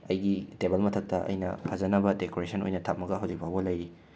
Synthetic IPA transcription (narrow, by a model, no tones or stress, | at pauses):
ɐjɡitebɐlmɐtʰɐk̚tɐʔɐ̰jnɐ̰pʰɐzɐnɐbɐdekoɾesʰɐno̰jnɐtʰap̚mɐɡɐɦɐwd͡ʒik̚bʱawɡɐlɐjɾi